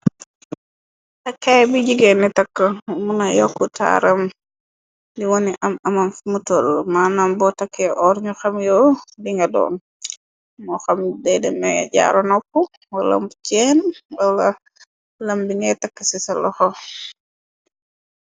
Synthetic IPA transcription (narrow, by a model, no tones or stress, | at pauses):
tɐkːajbiɟiɡɛnːitɐkːəmunɐjɔkːuta̰ːɾɐm | diwɔniʔɐmɐmɐmfmutɔlmaːnaːmbɔtɐkʰːɛʔɔːɾɲuxɐmjɔːdiŋɡɐdɔ̰ːn | mɔxɐmdɛjdɛmɛ̰ɟa̰ːɾɔnɔkːu | wɐlɐ̰mbcɛːnwɐlɐ | lɐmbiŋɛtɐkːəsisɐlɔxɔ